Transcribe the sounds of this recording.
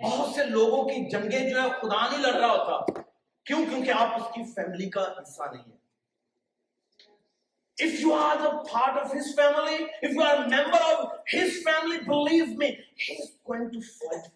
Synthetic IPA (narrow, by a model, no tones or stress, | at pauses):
bɔːɦɾʊt̪seloːɡõkid͡ʒɐ̃ŋɡẽd͡ʒoɛxʊd̪anəɦĩlɐɡɾaaɦoːt̪aː | kjõːkjõːkeaːpʊskifɛːmɪlikaɦɪsːa̰nɐ̰ɦĩɦɛː | ɪfjuəɾdəpʰaːɾʈɔʋɦɪzfɛːmɪliɪfjuaɾəmɛ̃mbəɾɔvhɪzfɛːmɪlibɪliːvmĩhiːzɡoːɪ̃ŋʈufɔɪʈ